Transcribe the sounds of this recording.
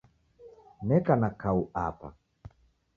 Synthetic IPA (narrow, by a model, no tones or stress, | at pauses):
nɛkanakaua̰pa̰